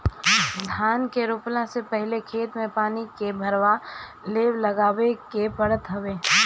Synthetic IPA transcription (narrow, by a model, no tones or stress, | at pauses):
d̪ʱaːnkeɾʊplãsepɛɦlekʰeːt̪mẽpaːnikebʱɐɾʋa | leːʋlɐɡaːʋekepɐɽət̪ɦɐʋeː